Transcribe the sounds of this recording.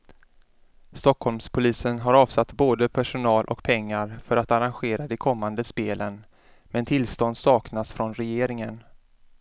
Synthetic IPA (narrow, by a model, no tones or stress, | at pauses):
st̪ɔkʰːhɔlmspʰʊliːsənɦaɾɑːv̥sat̪ːboːd̪əpʰæʂʊnɑːlʔɔ̰kpʰɛŋːaɾfœɾat̪aɾanɧeːɾad̪ɛkʰɔmːand̪əspeːlən | mɛnt̪ʰɪlst̪ɔnd̪sɑːknasfɾɔnɾɛjeːɾɪŋən